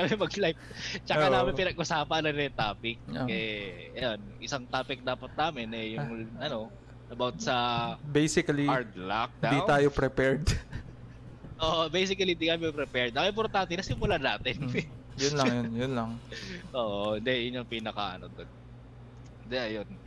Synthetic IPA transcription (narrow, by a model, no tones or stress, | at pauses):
kɐmɛmɐɡlajp̚ | t͡ʃɐɐnaːmmɪnpɪnɐɡʔʊsaːpɐɐnɐnjʊŋt̪aːpɪk̚ːɐʔɛɐjonʔɪsaŋt̪aːpɪk̚d̪aːpɐt̪̚naːmɪnʔɛjʊŋʔɐno̞ | ʔɐbawt̪̚sɐbejsɪkɐliaɹd̪lak̚d̪ad̪iwt̪aːjopɾɛpɛɹd̪ | ʔoːʔobejsɪkɐlid̪ik̪aːjopɾɛpɛɹd̪̚ɐŋʔɪmpoɾt̪ant̪ɛnɐsɪmːʊlanaːt̪ɪn | jʊnlɐŋjonjʊnlɐŋʔoːʔohɪnd̪ɛjʊɲːoŋpinɐkɐ̰ʔɐ̰not̪od̪̚ | ɪnd̪ɛʔɐjon